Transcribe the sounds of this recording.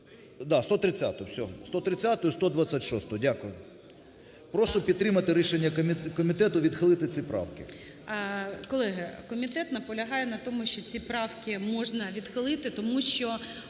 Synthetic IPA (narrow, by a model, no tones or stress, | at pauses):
d̪ɑst̪ɔt̪ɾɪt͡sʲːa̰t̪ɔjʊsʲɔst̪ɔt̪ɾɪt͡sʲat̪ʊjʊst̪ɔd̪ʋat͡sʲːatʲʃɔst̪ɔɔdʲakʊjʊ | pɾɔʃʊpʲid̪ɾɪmɐt̪ɪɾʲiʃenʲːɐkɔmʲit̪ɛt̪ʊʋʲid̪xɪlˠɪt̪ɪt͡sʲipɾɑ̰wkʲɪ | kɔlˠɛɦɐkɔmʲit̪ɛt̪nɐpɔlʲɐɦɑjɛnɐt̪ɔmʊʃt͡ʃɔt͡sʲipɾɑwkʲɪmɔʒnɐʋʲid̪xɪlˠɪt̪ɪt̪ɔmuʃt͡ʃɔ